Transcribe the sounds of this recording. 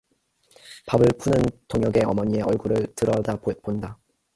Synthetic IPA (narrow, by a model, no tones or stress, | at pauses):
pabɯɭpʰunɯntoŋjʌɡe̞ʌmʌɲie̞ʌɭɡuɾɯɭtɯɾʌdaponda